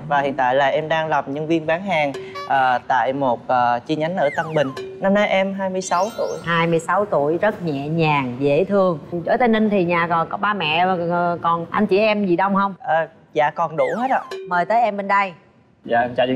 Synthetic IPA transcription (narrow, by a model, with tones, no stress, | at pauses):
vaː˨˩hḭ˧˨ənt̪a̰ː˧˨jlaː˨˩ʔɛ˧mɗaː˧ŋla˨˩mɲɨ˧ŋvi˧ənɓaː˨˦ŋɦaː˨˩ŋʔəː˨˩t̪a̰ː˧˨jmo˨˩t̚ʔəː˨˩t͡ɕi˧ɲa˨˦ŋ̟ʔəː˧˩t̪ə˧ŋɓï˨˩ŋ̟na˧mna˧jʔɛ˧mɦaː˧jmɨ˧əjsa˨˦wt̪ṵ˧˩əjhaː˧jmɨ˧jsa˨˦wt̪u˧˩əjzə˦˥t̚ɲɛ̰˧˨ɲaː˨˩ŋzḛ˧˩˥t̪ʰɨ˧əŋt͡ɕo˧˩˦t̪əː˨˦nlï˧ŋt̪ʰi˨˩ɲaː˨˩kɔ˨˩nkɔ˨˦ɓaː˧mɛ̰˧˨a˨˩˨kɔ˨˩nʔa˧nt͡ɕḭ˧˩ʔɛ˧mzi˨˩ɗə˧wŋ͡mhə˧wŋ͡mʔəː˨˩ | za̰ː˧˨kɔ˨˩nɗu˧˩hə˦˥t̚ɗə̰˧˨˩məː˨˩jt̪əː˨˦jʔɛ˧mɓe˧˩nɗə˧j | za̰ː˧˨˧a̰˧˨˧